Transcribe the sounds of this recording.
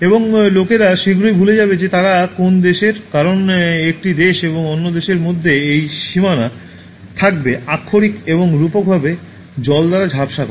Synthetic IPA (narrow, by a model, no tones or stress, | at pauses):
eboŋlokeɾaʃiɡɾojbʱuled͡ʑabed͡ʑet̪aɾakond̪eʃeɾkaɾonek̚ʈid̪eʃeboŋonːod̪eʃeɾmod̪ʱːeejʃimana | t̪ʰak̚beakʰːoɾikeβoŋɾupok̚bʱabe | d͡ʑɔld̪aɾad͡ʑʱapʃakɔ